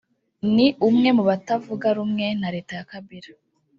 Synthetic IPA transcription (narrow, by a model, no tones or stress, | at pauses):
niʔumŋe̞muβatavuɡaɾumŋe̞naɾe̞ːtajakaβiɾa